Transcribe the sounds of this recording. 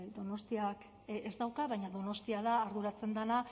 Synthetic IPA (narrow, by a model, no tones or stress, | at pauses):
d̪o̞no̞st̪iak | ezd̪awkaβajɲaðono̞st̪iaðaːɾðuɾat͡se̞nd̪ana